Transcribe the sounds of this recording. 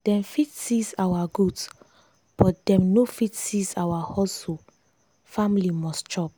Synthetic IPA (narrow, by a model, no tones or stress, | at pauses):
d̥ɛ̃mfitsisawaɡuds | b̥ɔt̚d̥ɛ̃mnofitsizawahɔso | familimɔstt͡ʃɔp̚